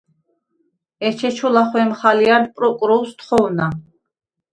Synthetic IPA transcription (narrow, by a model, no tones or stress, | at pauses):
ɛt͡ʃʰɛt͡ʃʰɔlaχwɛmχalianpʼɾɔkʼɾɔwst̪χɔwna